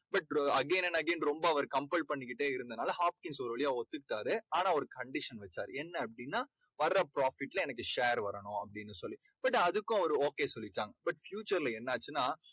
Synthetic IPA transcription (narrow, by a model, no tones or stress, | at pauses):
bɐʈ̚ɐɡeːnɛnɐɡeːnɾɔmbɐɐʋɐɾkɐmpɛlpɐɳːɪk̬ːɪʈːeːɪɾɯnd̪ɐnaːlɐhaːp̚kɪŋsɔɾɯʋɐɭɪjaːɔt̪ːɯkːɪʈːaːɾɯaːnãːɔɾɯkɐɳɖɪʂɐnʋɛt͡ʃːaːɾɯɛnːɐɐpːɐɽɪnːaː | ʋɐɾɾɐpɾaːfɪʈːlɐɛnɐk̬ːɯʂeːɾʋɐɾɐɳʊ̃ɐpːɐɽɪnːɯsɔlːi | b̥ɐʈːɐðɯkːʊ̃ɐʋɐɾɯoːkeːsɔlːɪʈːaːŋɡɐbɐʈfjuːt͡ʃɐɾlɐɛnːaːt͡ʃːɯnːaː